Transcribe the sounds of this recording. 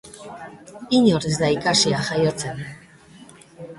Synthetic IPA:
iɲoɾezd̪aikaʃiaxajot͡sen

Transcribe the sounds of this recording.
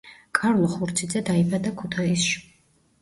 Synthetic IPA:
kʰaɾlˠɔχuɾt̪sʰid̪zɛd̪aibad̪akʰut̪ʰaisʃi̥

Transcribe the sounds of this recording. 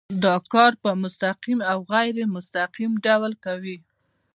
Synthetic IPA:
d̪ɑkɑɾpəmʊst̪aqimawɣajɾemʊst̪aqimɖawlkawi

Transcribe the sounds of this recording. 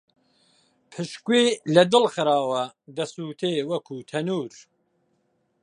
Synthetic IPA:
pʰɨʃkweːlɐd̪ɨlxɨɾɑːwɐd̪ɐsuːt̪ʰeːwɐkʰuːt̪ʰɐnuːɾ

